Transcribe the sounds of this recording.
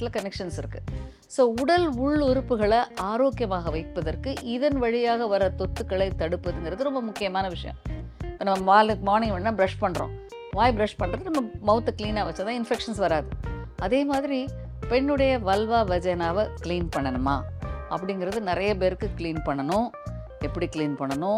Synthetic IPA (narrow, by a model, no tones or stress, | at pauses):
t̪ːɪlɐkɐnɛkʂɐnsɪɾɯkːɯ | soːʊɽɐlʊɭʊɾɯpːɯɣɐɭɐʔaːɾoːkjɐmaːɣɐʋɐɪpːɐðɐɾkɯʔɪðɐnʋɐɻɪjaːɣɐʋɐɾɐt̪ɔt̪ːɯkːɐɭɐɪt̪ɐɽɯpːɐðɯŋɡɪɾɐðɯɾɔmbɐmʊkːɪjɐmaːnɐʋɪʂɐ̰jɐ̰̃mɪpːonɐmːɐʋaːmaːɾnɪŋʋɐɳːnãːbɪɾɐʂpɐɳːɾõ̰ː | ʋaːjbɾɐʂpɐɳːɾɐðɯnɐmːɐmɐʊt̪ːɐkliːnaːʋɐt͡ʃːɐt̪ãːɪnfɛkʂɐnsʋɐɾaːðɯɐðeːmaːðɪɾi | pɛnːɯɽɐjɐʋɐlʋaːʋɐd͡ʒɐnaːʋɐkliːnpɐɳːɐnɯma̰ːɐ̰pːɐɽɪŋɡɪɾɐðɯnɪɾɐjɐpeːɾɯkːɯkliːnpɐɳːɐnʊ̃ | ɛpːɐɽikɪliːnpɐɳːɐnʊ̃